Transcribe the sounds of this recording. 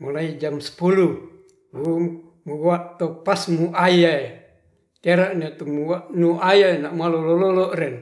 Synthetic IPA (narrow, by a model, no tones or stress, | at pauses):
molaid͡ʒamsə̥pulu | u | muɡuaʔt̪opasmuʔajae | t̪eɾaʔnet̪umuaʔnuʔajanaʔmualolɔlɔlɔʔɾɛn